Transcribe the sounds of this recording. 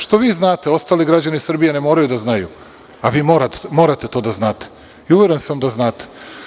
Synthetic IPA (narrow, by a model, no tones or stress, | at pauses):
ʃt̪o̞ʋiːznaːt̪eo̞st̪aːliɡɾad͡ʑanisr̩bijenemo̞ːɾajud̪aznajṵ | aʋiːmoɾamo̞ːɾat̪et̪o̞ːd̪aznaːt̪e̥ | iuʋjeɾensamd̪aznaːt̪e̥